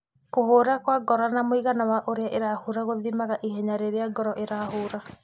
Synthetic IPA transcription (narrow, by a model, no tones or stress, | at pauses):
koɦoɾakwaɡɔɾanamoiɣanawaʔoɾeaʔeɾahoɾaɣoðimaɣaʔiɦɛɲaɾeɾeaɡɔɾɔʔeɾahoɾa